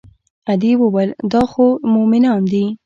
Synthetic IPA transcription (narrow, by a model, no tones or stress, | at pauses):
ad̪iwəwald̪ɑxomʊmɪnɑnd̪i